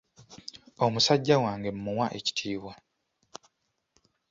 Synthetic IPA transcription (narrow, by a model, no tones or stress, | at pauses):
omusaɟːawaːŋɡe̞m̩muwaʔeci̥tʰiːβwa